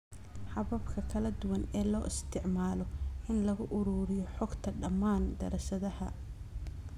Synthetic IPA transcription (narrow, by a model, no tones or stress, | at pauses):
ħɑβɐbkʰɐkʰɐlɐd̪ʊwɐnɛːlɔːʔɪst̪ʰɪʕmaːlɔʔɪnlɐɣʊʔʊɾuːɾɪjɔħɔɡt̪ʰɐɖɐmːaːnd̪ɐ̰ɾɐʃɐðɐhɐ